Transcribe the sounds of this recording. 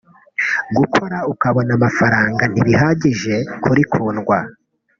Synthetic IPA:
ɡukʰo̞ɾaukaβo̞namafaɾaːŋɡaniβiɦaɟiʒe̞kʰuɾikʰuːnɡwa

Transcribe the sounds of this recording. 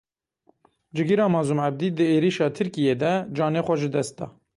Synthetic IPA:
d͡ʒɨɡiɾɑːmɑːzumʕæb̚d̪iːd̪ɨeːɾiʃɑːt̪ʰɨɾkijeːd̪ɛd͡ʒɑːneːxʷɛʒɨd̪ɛst̪̚d̪ɑ̰ː

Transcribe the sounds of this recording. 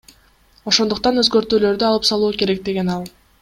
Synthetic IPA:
o̞ʃo̞nd̪uq̚t̪ɑnø̞zɡø̞ɾt̪yːlø̞ɾd̪yɑlˠɯpsɑlˠuːke̞ɾe̞k̚d̪e̞ɡe̞nɑlˠ

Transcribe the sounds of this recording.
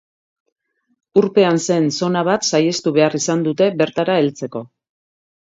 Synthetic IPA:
uɾpe̞anse̞nso̞naβat̪saje̞st̪uβe̞arisand̪ut̪e̞βe̞ɾt̪aɾae̞lt͡se̞ko̞

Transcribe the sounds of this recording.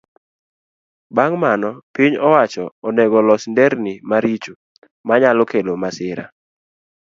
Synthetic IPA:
baŋmanɔpiɲɔwat͡ʃɔːnɛɡɔlɔsndɛɾnimaɾit͡ʃu | maɲalɔkelomasɪɾa̰

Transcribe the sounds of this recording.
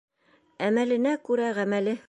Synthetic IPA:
æmælɘ̆nækʉɾæʁæmælɘ

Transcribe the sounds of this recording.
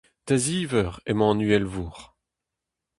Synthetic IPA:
t̪aziːvœʁḛmɑ̃ːnyɛlvuʁ

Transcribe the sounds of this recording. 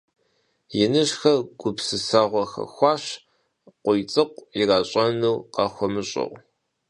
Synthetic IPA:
jɪnɨʒxɐɡ̥ʷʊpsɨsaːʁʷɔxɐ̰xʷɑːɕ | qʷʊjt͡sʼɨqʷiraːɕʼɐnuwqɑxʷɔmɨɕʼɪ̰ʁʷ

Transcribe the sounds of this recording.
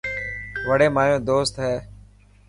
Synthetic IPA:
ʋəɽeːmaːjõːd̪oːst̪ɦɛː

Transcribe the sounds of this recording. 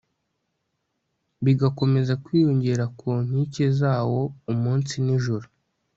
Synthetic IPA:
βiɡako̞me̞zakwiːjoɲɟe̞ɾakʰuːn̥ice̞zaːwo̞umuːnsiniʒuɾu

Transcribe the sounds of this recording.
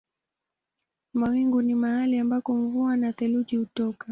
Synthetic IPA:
mawiŋɡunimahaliambakɔɱvuanaθɛluʄihutɔka

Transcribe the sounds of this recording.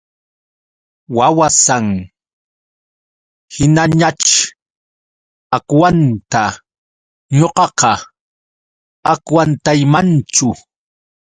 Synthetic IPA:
wawasaŋ | hɪnaɲat͡ʃ | akwant̪a | ɲoqɑqɑ | akwant̪ajmant͡ʃʊ

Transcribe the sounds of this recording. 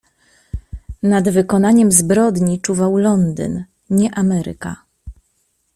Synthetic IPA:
nad̪vɘkɔnaɲɛmzbɾɔd̪ɲit͡ʂuvawlɔnd̪ɘ̰n | ɲɛʔamɛɾɘ̰ka̰

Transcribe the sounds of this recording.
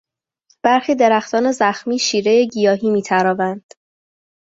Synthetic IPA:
b̥æɾxiːd̪e̞ɾæxt̪ʰɒːne̞zæxmiːʃiːɾejeɟijɒːɦiːmiːt̪ʰæɾɒːvænd̪̥

